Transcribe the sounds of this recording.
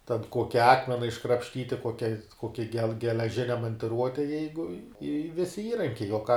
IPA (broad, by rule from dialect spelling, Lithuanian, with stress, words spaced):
tʲɛn ˈkuɔkʲɪ ˈɑːkmʲɛnɐ ɪʃkrɐpʲʃʲˈtʲiːtʲɪ ˈkoːkʲɛ ˈkoːkʲɪ ɡʲɛlˠ ɡʲɛlʲɛˈʒʲɪnʲɛ mɐnʲtʲɪˈruɔtʲɛ ˈjɛɪɡʊ ɪ ɪ ˈʋʲɪsʲɪ ˈiːrɐŋʲkʲɛɪ oː kɑː